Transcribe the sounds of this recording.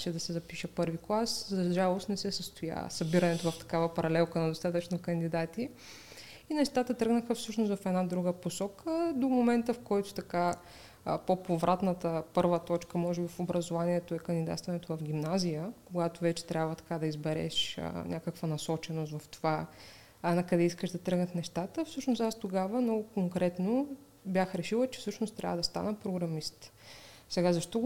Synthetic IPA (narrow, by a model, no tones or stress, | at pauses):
ʃɛd̪ɐsɛzɐpiʃɛpɤɾviklˠaszɐʒalˠost̪nɛsɛsəst̪oja̰sɐbiɾɐnɛt̪ovɐft̪ɐ̥kavəpɐɾɐlɛlˠkənɐd̪ost̪at̪ət͡ʃnokɐnd̪id̪at̪i | inɛʃt̪at̪ət̪ɾɤɡnəxəfsɤʃnost̪vɐfɛd̪nad̪ɾuɡəposɔkʰəd̪omomɛnt̪əfkɔjt̪ʊ̥t̪ɐka | popovɾʔat̪nət̪əpɤɾvət̪ɔt͡ʃkəmɔʒɛbifobɾɐzovaniɛt̪oɛkɐnd̪id̪a̰t̪st̪vɐnɛt̪ovɐfɡʲimnazijəkoɡat̪ovɛt͡ʃɛ̥t̪ɾʲabvət̪ɐ̥kad̪ɐizbɛɾɛ̰ʃə̰nʲʔakəkvənɐsɔt͡ʃɛnost̪vɐft̪o̥va | nɐkɐd̪ɛiskəʒd̪ɐt̪ɾɤɡnət̪nɛʃt̪at̪əfsɤʃnost̪ast̪oɡavəmnɔɡʊkoŋkɾɛt̪no | bjaxɾɛʃilˠət͡ʃɛ̥fsɤʃnʊst̪ɾʲʔa̰vəd̪ɐst̪a̰nəpɾoɡɾɐmist̪sɛɡazɐʃt̪ɔ